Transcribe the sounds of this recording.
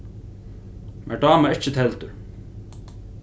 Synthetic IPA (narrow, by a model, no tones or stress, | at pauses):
mʔɛ̰ɖaːmaɪht͡ɕɪt̪ʰɛlt̪ʏɾ